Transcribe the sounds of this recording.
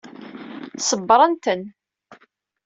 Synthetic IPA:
səbːɾˤənt̪ən

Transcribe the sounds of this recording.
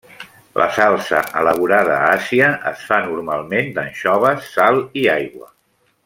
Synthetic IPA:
lʔə̰salˠsə̰ʔələβ̞uɾaðəːaziəʔəsfanuɾmalˠmend̪ənʃɔβ̞əsːalˠiajɣwə̰

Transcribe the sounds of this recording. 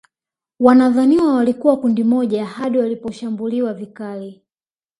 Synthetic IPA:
wanaðaniwawalikuwakundimɔʄaːhaɗiwalipɔʃambuliwavikali

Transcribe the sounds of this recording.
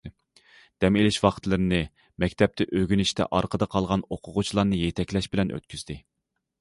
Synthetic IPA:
d̪̥ɛmelɪʃwɑχt̪lˠɨɾɪnɨ | mɛkʲt̪ʰɛp̚t̪ɛʔøɡʲynɪʃt̪ʰɛ̰ʔɑɾqʰəd̪ɑqʰɑlˠʁɑnoqʰʊʁʊt͡ʃʰilˠɑɾnɨjet̪ʰɛkʲlɛʃbɪlɛnʔø̰t̪̚kʲʰyzd̪ɪ

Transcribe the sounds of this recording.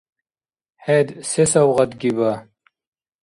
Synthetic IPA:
hed̪sesɐwʁɐt̪ɡiba

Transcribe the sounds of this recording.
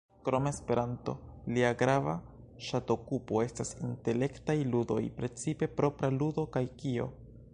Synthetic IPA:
kɾo̞me̞spe̞ɾanto̞̰liaɡɾava | ʃato̞kupo̞e̞stasinte̞le̞ktajludo̞̰jpɾe̞t͡sipe̞pɾo̞pɾaludo̞kajkio̞̰

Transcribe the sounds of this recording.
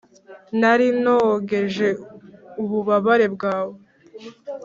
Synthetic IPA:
naɾinoɡe̞ʒe̞uβuβaβaɾe̞bɡaːwo

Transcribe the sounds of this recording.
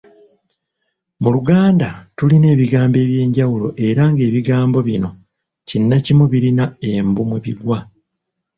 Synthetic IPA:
muluɡaːndatuline̞ːβiɡaːmbe̞ːβje̞ːɲɟawulo̞ʔe̞ɾaŋɡe̞ːβiɡaːmbo̞βino̞ | cinːacimuβiɾinae̞mbumweβiɡwa

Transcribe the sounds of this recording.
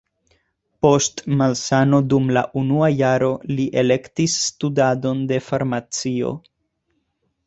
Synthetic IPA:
po̞stmalsano̞dumla̰ʔunuajaɾo̞liʔe̞le̞ktisːtudado̞nde̞faɾmat͡sio̞̰

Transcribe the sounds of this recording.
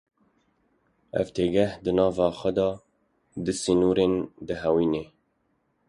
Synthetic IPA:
ʔɛ̰vt̪ʰeːɡɛhd̪ɨnɑːvɑːxʷɛd̪ɑː | d̪ɨsinuːɾeːnd̪ɨɦɛwiːneː

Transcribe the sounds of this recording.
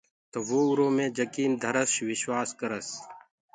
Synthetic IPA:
t̪oʋoːʊɾõːmẽːd͡ʒəkiːnd̪ʱəɾəʃʋɪʃwaːskəɾəs

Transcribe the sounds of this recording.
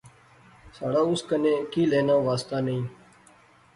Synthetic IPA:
saːɽaːʊskənẽːkiːleːnãːʋaːst̪aːnəĩː

